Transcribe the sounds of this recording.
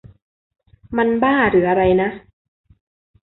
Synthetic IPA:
ma˧nbaː˥˩ɾɯː˩˦ʔa˧ɾa˧jna˦˥ʔ

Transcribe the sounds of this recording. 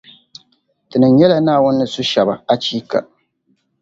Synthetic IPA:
tɨ˨nɨ˨mɲɛ˦la˨naː˦˨wʊ˦nːɨ˦su˦ʃɛ˨ba˨a˦t͡ʃiː˦ka˨

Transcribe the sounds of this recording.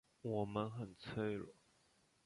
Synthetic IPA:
wɔ˨˩mə˦nxə˨˩nt͡sʰwe˥˩ɪlə̰˨˦

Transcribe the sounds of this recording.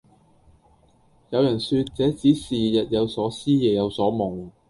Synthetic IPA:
jɐ˨˧wjɐ˨˩nsyː˧t̚t͡sɛː˨˥t͡siː˨˥siː˨jɐ˨t̚jɐ˨˧wsɔː˨˥siː˥jɛː˨˩jɐ˨˧wsɔː˨˥mʊ˨˩ŋ

